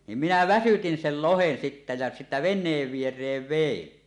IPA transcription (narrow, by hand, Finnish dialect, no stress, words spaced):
nim minæ ʋæsytin sel lohen sitːæ jæ sitːæ ʋenˑeːʋ ʋierˑeːʋ ʋein